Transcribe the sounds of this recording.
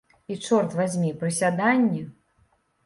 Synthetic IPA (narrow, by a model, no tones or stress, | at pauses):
it͡ʂɔrt̪vazʲmʲipɾɨsʲad̪anʲːi